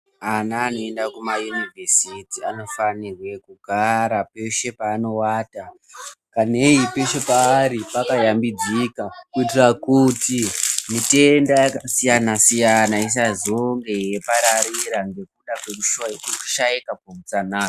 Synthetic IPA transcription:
anaːno̞e̞ndakumajunivʱesitiano̞fanirwe̞kuɡʱaɾapeʃe̞paːno̞waːta | kaneipe̞ʃe̞paːɾipakajambid͡zikakuitirakutimite̞ndajakasijanasijanais̬azoŋɡe̞je̞paɾaɾiɾaŋɡe̞k̚uɗakwe̞kuʃuwajekuku̥ʃaikapomut͡sanaː

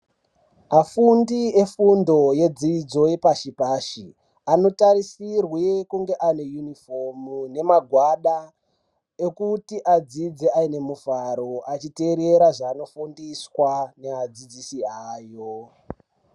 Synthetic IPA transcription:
afundie̞fundo̞je̞d͡zid͡zo̞epaʃipaːʃi | ano̞taɾisirwekuŋɡe̞ʔane̞junifomune̞maɡʱwaɗa | ekutiʔad͡zid͡zeaine̞muvaɾo̞at͡ʃite̞ɾe̞ɾaʐaːno̞fundiswane̞ad͡zid͡zisiaːjo̞

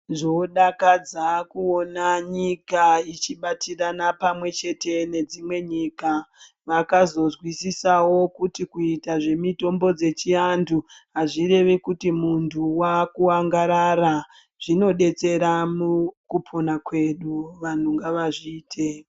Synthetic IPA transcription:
nʐoɗakad͡zakuo̞naɲikait͡ʃiɓatiranapamwe̞t͡ʃe̞te̞ne̞d͡zimwe̞ɲika | ʋakazo̞zwisisawo̞kutikuitaʐe̞mito̞mbo̞d͡ze̞t͡ʃiandʰuɦaʐiɾe̞ʋikutimuntʰuwakuaŋɡaɾaɾa | ʐ̥ino̞ɗe̞t͡se̞ɾamukupʰo̞nakwe̞ɗuʋan̤uŋɡaʋaʐiːtʰe̞

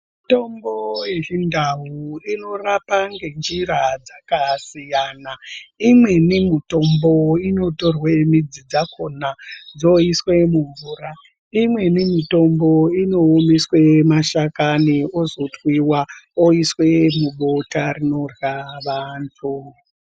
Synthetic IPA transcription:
mito̞mbo̞jeʐindaɦuino̞rapaŋɡe̞nd͡ʒiɾad͡zakasijanaimwe̞nimito̞mboino̞torwemid͡zid͡zakʰonad͡zo̞iswe̞muɱvuːra | imwe̞nemito̞mboino̞ːmiswe̞maʃakaniozotwiwaoiswe̞muɓo̞tarino̞rwaʋantʰu

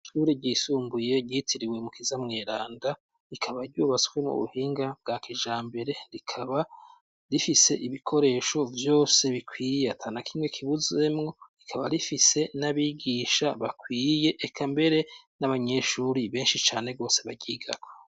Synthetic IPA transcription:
ʃuɾiɟiːsuːmbuje̞ɟitʰiɾiwe̞mukizamŋe̞ːɾaːnda | ikʰaβaɾɟuːβaskwemṵβṵhiːŋɡab̚ɡaːkʰiʒaːmbe̞ɾe̞ɾikʰaβa | ɾifise̞ʔiβikʰo̞ɾe̞ːʃo̞vjo̞ːse̞βikwiːjeatʰaːnakʰimŋe̞kʰiβuze̞mŋo̞ɾikʰaβa̰ɾifise̞naβiɡiʃaβakwiːje̞ʔːkʰambe̞ɾe̞naβaɲe̞ʃuɾiβe̞ːnʃit͡ʃaːne̞ɡo̞ːse̞βaɟiːɡa̰ko̥

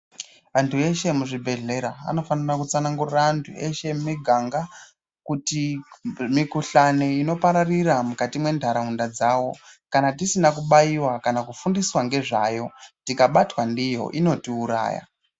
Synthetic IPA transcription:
antʰue̞ʃe̞muʐibʱe̞ɮe̞ɾa̰ːno̞fanirakut͡sanaŋɡururaːntʰueʃe̞miɡʱaŋɡa | kutimikuɬaneino̞paɾariramukatimwe̞ndʱaɾaundad͡zawo̞kanatisinakuɓaiwakanakufundiswaŋɡe̞ʐajo̞tikaɓatwandijo̞̰ʔino̞tiuɾa̰ːja̰

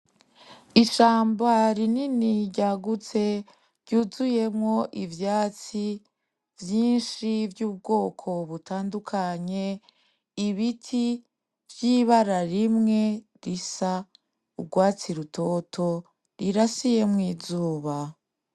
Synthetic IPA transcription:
iʃaːmbaɾininiɟaɡut͡se̞ | ɾɟuzuje̞mŋo̞ʔivjaːt͡si | vjiːnʃivjuːb̚ɡo̞ːkʰo̞βutʰaːndukʰaɲe̞ | iβitʰi | vjiːβaɾaɾimŋe̞ | ɾisa | uɡwaːt͡siɾuto̞tʰo̞ | ɾiɾasije̞mŋiːzuːβa

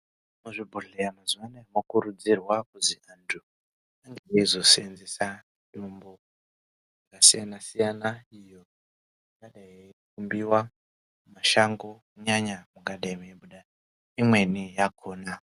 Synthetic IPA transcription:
muʐibʱuɮejamazuwanamokuɾud͡zirwakuziantʰu | aŋɡeizosenzesa | ɗombo | akasijanasijanaijo̞ | muɡaɗaekumbiwa | maʃaŋɡo̞ | ɲaɲamuɡaɗaimeɓuɗa | imwe̞nijakʰoːna

